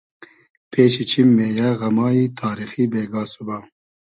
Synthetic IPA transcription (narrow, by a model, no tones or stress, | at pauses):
pʰeːʃit͡ʃʰimːeːjaɣɐmaːiːt̪ʰaːɾixibeːɡaːsuba